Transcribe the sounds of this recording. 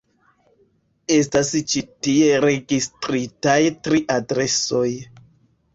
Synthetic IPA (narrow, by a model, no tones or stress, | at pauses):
e̞stast͡ʃitie̞ɾe̞ɡistʼɾitajtɾiʔadɾe̞so̞j